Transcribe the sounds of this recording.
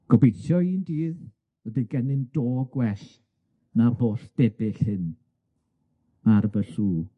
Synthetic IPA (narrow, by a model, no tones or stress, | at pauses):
ɡ̥ɔbejtʰjɔiːndiːð | wədiɡɛnɪndoːɡwɛɬ | naboːɬd̥ɛbɪɬhɨn | aɾəbəɬuː